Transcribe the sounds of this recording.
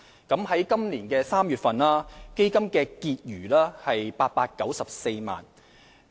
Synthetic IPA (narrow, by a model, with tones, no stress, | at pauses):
kɐ˨˥mɦɐ˨˥jkɐ˥mliː˨˩nkɛː˧saː˥mjyː˨t̚fɐ˨naː˥ke˥jkɐ˥mkɛː˧kiː˧t̚jyː˨˩laː˥hɐ˨jpaː˧t̚paː˧t̚kɐ˨˥wsɐ˨p̚se˧jma̰ː˨˩n